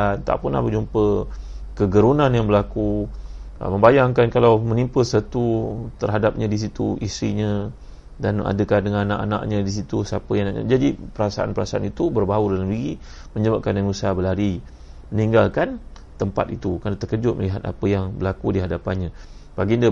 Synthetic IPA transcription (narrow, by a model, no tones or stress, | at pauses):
ant̪a̰ʔpʊna̰bəd͡ʒumpəkəɡəɾunanjaŋbəlaku | ə̰mə̃mbajaŋkankalawmənimpəsət̪ut̪ərɦadap̚ɲə̃dis̬it̪ṵʔisɾiɲə | dana̰dəkadəŋanna̰ʔa̰na̰ʔɲədis̬it̪usiapəjaɲa̰d͡ʒadipəɾasaʔa̰npəɾasaa̰nit̪ubərbaudalamliɡi | mə̃ɲəbəʔkanjaŋusabəlaɾi | məniŋɡalkan | t̪əmpa̰t̪it̪ukanat̪əkəd͡ʒʊt̪̚məliɦat̪̚a̰pəjaŋbəlakudiɦadapanɲã | baɡində